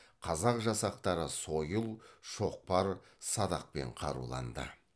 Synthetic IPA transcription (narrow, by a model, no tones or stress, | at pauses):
qʰɑzɑqʒɑsɑq̚t̪ɑɾəso̞jəlˠʃo̞q̚pɑɾsɑd̪ɑq̚pe̞̰ɴqʰɑɾṵlˠɑ̰nd̪ə̰